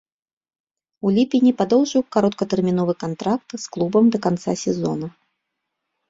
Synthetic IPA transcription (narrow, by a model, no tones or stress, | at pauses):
ulʲipʲinʲipad̪ɔwʐɨwkaɾɔt̪̚kɐt̪ɛrmʲinɔvɨkant̪ɾak̚t̪sklˠubɐmd̪ɐkant̪sasʲɛzɔ̰nɐ